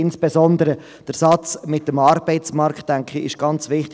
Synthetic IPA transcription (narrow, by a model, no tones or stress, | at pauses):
ɪnsb̥ɛsɔndəɾə | d̥əɾsɑt͡smɪtːəmɑːɾb̥ɛɪt͡smɑɾktːɛŋkχiɪ̰ʃɡ̥ɑnt͡svɪχt